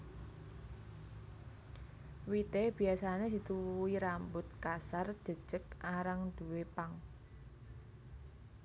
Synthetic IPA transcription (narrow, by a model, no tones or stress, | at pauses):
wit̪eb̥i̤asaned̪̥i̤t̪uwuiɾambʊt̪̚kasar̥ʒ̥ə̤d̥ʒ̥ək̚ʔaɾaŋd̪̥uwepaŋ